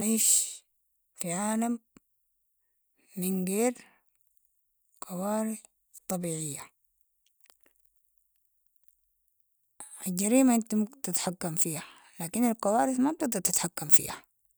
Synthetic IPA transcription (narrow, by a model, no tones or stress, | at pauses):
ʕeːʃ | fiʕaːlam | inɡeːɾ | qɑwaːɾɪθ | t̪ˤːɑbiːʕɪjːa | ald͡ʒaɾiːmaʔɪnt̪umt̪ɪt̪ħakːamfiːha | laːkinalkɑwaːɾɪθmat̪ɪɡd̪ɑɾt̪ɪt̪ħakːamfḭːha